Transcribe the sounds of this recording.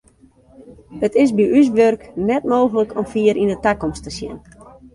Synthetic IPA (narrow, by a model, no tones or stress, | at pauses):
ətɪsbiʔys̬ʋørknɛtmoːɣələkʰɔmfiəɾʔindətakɔmstəsjɪ̰n